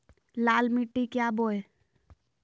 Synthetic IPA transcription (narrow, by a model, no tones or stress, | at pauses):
laːlmiʈːikjaːboːe